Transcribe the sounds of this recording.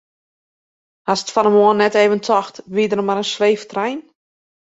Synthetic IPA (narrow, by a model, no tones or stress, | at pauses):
hasə̥tfanəmoənːɛteːvəntʰɔxtʋiədərmaɾənsʋeːftrɛjn